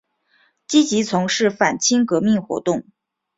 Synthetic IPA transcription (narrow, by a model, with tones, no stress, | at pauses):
t͡ɕi˥t͡ɕi˧˥t͡sʰʊ˧˥ŋʂɻ̩˥˩fa˨˩nt͡ɕʰi˥ŋkɤ˧˥mi˥˩ŋxwɔ̰˧˥t̪ʊ˥˩ŋ